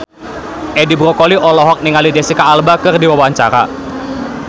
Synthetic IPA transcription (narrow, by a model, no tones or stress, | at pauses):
ʔɛdibɾɔkɔliʔɔlɔɦɔk̚niŋalidesikaːlbakɨrdiwawaɲt͡ʃaɾa̰